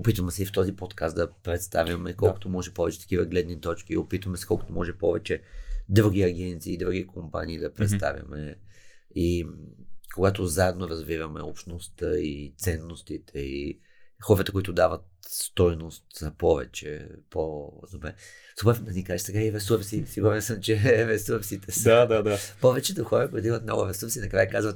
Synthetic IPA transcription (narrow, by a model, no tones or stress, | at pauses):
opit̪vəmɛsɛift̪ɔzipɔt̪kast̪d̪ɐpɾɛt̪st̪avʲjɐmɛkɔlˠko̥t̪omɔʒɛpɔvɛt͡ʃɛt̪ɐ̥kivəɡlɛd̪nit̪ɔt͡ʃk̟iopit̪vəmɛsɛ̥kɔlˠko̥t̪omɔʒɛpɔvɛt͡ʃɛd̪ɾuɡ̟iɐɡʲɛnt̪siːd̪ɾuɡʲikʰompa̰niːd̪ɐpɾɛt̪st̪a̰vʲjɐ̰mɛ | i | koɡat̪ozaɛd̪noɾɐzvivɐmɛ̰opʃnost̪əit̪sɛnːost̪it̪ʰɛi | xɔɾət̪əkoʊit̪ʊd̪avət̪̚st̪ɔjnost̪zɐpɔvɛ̰t͡ʃɛ̰pozopɛ̰ | supɛɾd̪ɐnikaʒɛsɛɡaiɾɛsuɾsisiɡuɾɛnsəmt͡ʃɛɾɛsuɾsit̪ʰɛsad̪ad̪apɔvɛt͡ʃɛt̪oxɔɾəkʊit̪ʊimət̪nɔɡʊɾɛsuɾsinɐkɾajəkazvət̪